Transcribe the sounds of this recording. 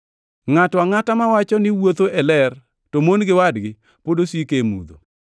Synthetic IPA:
ŋatɔaŋatamawat͡ʃɔnɪwot̪oʔɛlɛr | tomonɡɪwadɡɪ | podosikemṵd̪o̰

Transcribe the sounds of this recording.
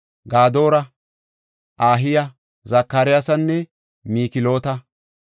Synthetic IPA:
ɡaːd̪o̞ːɾɐ | ʔaːɦɪjɐ | zɐkːɐɾɪjasɐnːɛ | miːkɪlo̞ːt̪ɐ

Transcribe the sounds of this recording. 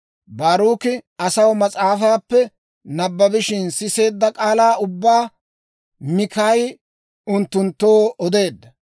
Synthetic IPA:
baːɾuːkɪɐsɐwmɐt͡sʼaːfaːpːɛ | nɐbːɐbɪʃɪnsɪse̞ːd̪ːɐkʼaːlaːʊbːaː | mɪkɐj | ʊnt̪ːʊnt̪ːo̞ːɔd̪e̞ːd̪ːɐ

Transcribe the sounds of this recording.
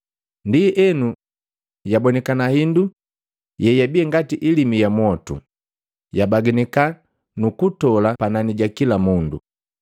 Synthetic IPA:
ndiɛnu | jabɔnɛkanahindu | jɛjabiɛŋɡatiʔilimijamwɔtṵ | jabaɡinɛka | nukutɔlapananiɟakilamundṵ

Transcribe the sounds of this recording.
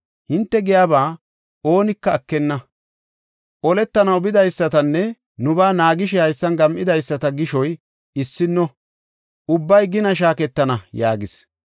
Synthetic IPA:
hɪnt̪ːɛɡɪjaːbaː | o̞ːnɪkːɐːkːɛnːɐ | ʔɔlɛt̪ːɐnɐwbɪd̪ɐjsːɐt̪ɐnːɛ | nʊbaːnaːɡɪʃ̬ɛhɐjsːɐnɡɐmʔɪd̪ɐjsːɐt̪ɐɡɪʃɔj | ɪsːɪnːɔ | ʊbːɐjɡɪnɐʃ̬aːkɛt̪ːɐnɐjaːɡɪs

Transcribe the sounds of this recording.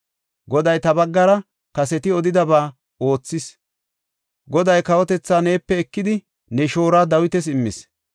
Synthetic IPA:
ɡɔd̪ɐjt̪ɐbɐɡːɐɾɐ | kɐsɛt̪ɪɔd̪ɪd̪ɐbaː | o̞ːt͡sːɪs | ɡɔd̪ɐjkɐwɔt̪ɛt͡sːaːne̞ːpːɛɛkːɪd̪ɪ | nɛʃo̞ːɾaːd̪ɐwɪt̪ɛs̬ɪmːɪ̰s

